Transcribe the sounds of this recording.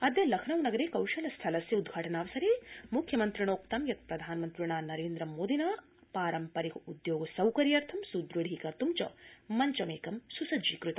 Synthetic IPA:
ɐd̪jɐlɐkʰɳɐwnɐɡɐɾeːkɐwʃɐlɐst̪ʰɐlɐsjɐud̪̚ɡʱaːʈɐnaːʋɐsɐɾemukʰjɐmɐnt̪ɾiɳoːkt̪ɐmjɐt̪̚pɾɐd̪ʱaːnɐmɐnt̪ɾiɳaːnɐɾeːnd̪ɾɐmoːd̪inaː | paːɾɐmpɐɾikɐud̪joːɡɐsɐwkɐɾijɐɾt̪ʰɐmsud̪ɾɐɽikɐɾt̪umt͡ʃɐ̰mɐɲt͡ʃɐmeːkɐmsusɐd͡ʒiːkɾut̪ɐ

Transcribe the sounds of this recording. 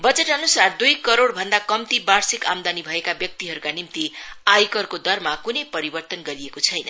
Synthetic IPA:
bʌd͡zeʈʌnusard̪ujkʌɾoɽbʱʌnd̪akʌmt̪ibarsikamd̪anibʱʌekabjʌk̚t̪iɦʌɾukanimt̪iajkʌrkod̪ʌrmakunʌjpʌɾibʌrt̪ʌnɡʌɾiekot͡sʰʌjnʌn

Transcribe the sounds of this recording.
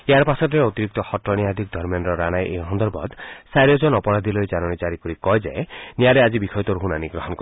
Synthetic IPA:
eaɾpasɔt̪iɾeot̪iɾik̚t̪ɔxɔtɾɔniad̪ʱik̚d̪ʱɔɾmjɔnɾɔɾanajʔeɦɔnd̪ɔɾbɔ̰d̪saɾjɔd͡ʒɔnɔpɔɾad̪ʱilojd͡ʒanɔnid͡ʒaɾikɔɾikɔjd͡ʒa̰jnijaɾead͡ʒibikʰɔjt̪ɔɾuɦunaniɡɾɔɦɔnk

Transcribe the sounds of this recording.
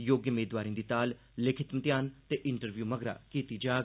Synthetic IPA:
joːɡjəmeːd̪ʋaːɾĩːd̪iːt̪aːl | lɪkʰɪt̪mət̪jaːnt̪eːʔɪɳʈəɾʋjuːməɡɾa̰ːkiːt̪iːd͡ʒaː

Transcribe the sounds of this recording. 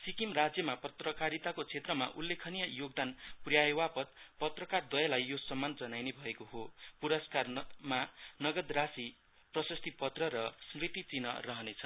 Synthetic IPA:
sikimrad͡zjʌmapʌt̪rʌkaɾit̪akot͡sʰet̪rʌma̰ʔulːekʰʌnijʌjoɡ̚d̪anprjajewapʌt̪pʌt̪rʌkard̪ʌjalajjosʌmːand͡zʌnajnebʱʌekoɦopuɾʌskarmanʌɡʌd̪rasi | prʌsʌst̪ʰipʌt̪rʌɾʌsmrit̪it͡sinʌ̰rʌɦʌnet͡sʰʌ

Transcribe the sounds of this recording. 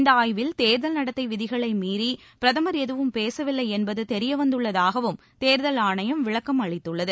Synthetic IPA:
nd̪ɐaːjʋɪlt̪eːɾðɐlnɐɽɐt̪ːɐɪʋɪðɪɣɐɭɐɪmiːɾi | pɪɾɐðɐmɐɾɛðɯʋɯmpeːsɐʋɪlːɐɪɛnbɐðɯt̪ɛɾɪjɐʋɐnd̪ɯɭːɐðaːɣɐʋɯm | t̪eːɾðɐlaːɳɐjɐmʋɪɭɐkːɐmɐɭɪt̪ːɯɭːɐðɯ

